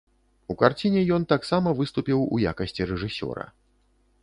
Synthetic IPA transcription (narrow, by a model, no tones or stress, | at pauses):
ukart͡sʲinʲɛjɔnt̪aksamɐvɨst̪upʲiwṵja̰kɐsʲt͡sʲiɾɛʐɨsʲɔ̰ɾɐ̰